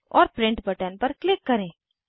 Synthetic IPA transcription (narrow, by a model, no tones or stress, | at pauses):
ɔːɾpɾɪ̃ɳʈbəʈənpɐɾklɪkːɐɾẽː